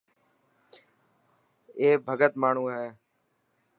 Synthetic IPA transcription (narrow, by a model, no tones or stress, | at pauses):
eːbʱəɡət̪maːɳ̤ũːɦɛː